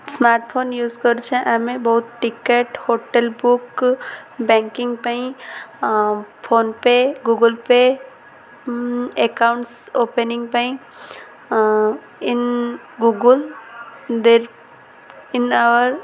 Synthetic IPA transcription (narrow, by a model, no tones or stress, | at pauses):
smaːɾʈpʰoːnjuːzkəɾt͡ʃʰɛ̃ʔamẽbɔɦʊt̪ʈɪkeʈhoːʈelbʊk | bɛ̃ːŋkɪ̃ŋɡpaĩ | pʰoːnpeɡuːɡəlpe | ekaʊ̃ɳʈsoːpenɪ̃ŋɡpãĩ | ɪn | ɡuɡəl | d̪eːɾ | ɪnaʋəɾ